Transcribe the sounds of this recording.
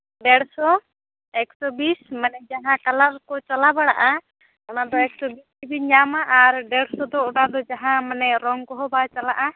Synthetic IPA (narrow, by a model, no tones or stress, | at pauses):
ɖɛɽsɔ | ɛksɔbismanɛd͡ʒaɦãkalaɾkɔt͡ʃalabaɽaʔa | anad̪ɔɛk̚sɔbisibiɲamaʔaɾɖɛɽsɔd̪ɔʔɔʈad̪ɔd͡ʒaɦãmanɛɾɔŋkɔɦɔbat͡ʃalaʔa